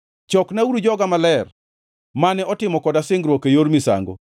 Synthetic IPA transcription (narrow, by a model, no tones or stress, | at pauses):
t͡ʃɔknauɾud͡ʒɔɡamalɛr | manɛɔtɪmɔkɔdasɪŋɡɾwɔkejoɾmisa̰ŋɡo̰